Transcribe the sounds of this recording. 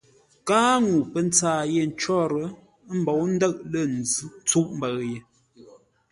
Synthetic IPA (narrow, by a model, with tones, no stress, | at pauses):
kaː˦ŋu˨pə˦˨n˦t͡saː˦˨je˨n̩˨˦t͡ʃɔ˦ɾə˨˦ | m̩˦bɔ˨˦wn̩˦də˦˨ʔlə˦˨n˨d͡zʉ˦t͡su˦ʔm̩˦bə˨ɣje˨